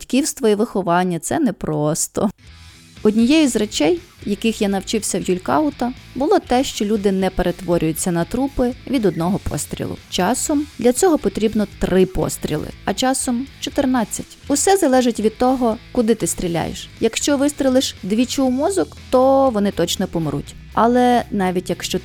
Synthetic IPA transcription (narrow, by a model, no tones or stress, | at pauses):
tʲkʲiwst̪ʋɔiʋɪxɔʋɑnʲːɐt̪sɛnɛpɾɔst̪ɔ̰ | ɔdʲnʲijɛjʊzrɛt͡ʃɛj | jɐkɪxjanɐwt͡ʃɪwsʲɐwjulʲkɑ̰ʊt̪ɐbʊlˠɔt̪ɛʃt͡ʃɔlʲud̪ɪnɛpeɾʔet̪ʋɔɾʲʊjʊt͡sʲːɐnɐt̪ɾupɪʋʲid̪ɔd̪nɔɦɔpʰɔ̰st̪ɾʲḭlˠʊ̰t͡ʃɑsɔmd̪lʲɐt͡sʲɔɦɔpɔt̪ɾʲibnɔt̪ɾɪpɔ̰st̪ɾʲḭlˠɪ̰ɐt͡ʃɑsɔmt͡ʃɔt̪ernɑt͡sʲːɐtʲʊsɛzɐlˠɛʒɪtʲʋʲid̪̚t̪ɔɦɔkʊd̪ɪt̪ɪst̪ʲɾʲilʲa̰jḛʃjɐkʃt͡ʃɔʋɪst̪ɾʲilˠɪʃd̪ʋʲit͡ʃuwmɔzɔkt̪ɔʋɔnɪt̪ɔt͡ʃnɔpɔmɾṵtʲ | ɐlˠɛnɑʋʲitʲjɐkʃt͡ʃɔ